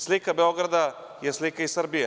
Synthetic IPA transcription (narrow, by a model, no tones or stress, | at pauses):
slikabeoɡɾad̪a | jeslikaisəɾbije